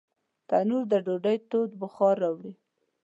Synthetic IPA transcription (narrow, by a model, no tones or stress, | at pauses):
t̪anuɾd̪əɖoɖajt̪od̪bʊxɑɾɑwɽi